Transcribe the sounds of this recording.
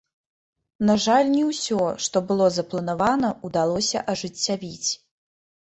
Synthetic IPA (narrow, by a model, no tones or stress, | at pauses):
naʐalʲnʲɛwsʲɔʂt̪ɔbɨlˠɔzɐplˠɐnavanɐud̪alˠɔsʲɐ̰ʔɐʐɨt͡sʲːavʲit͡sʲ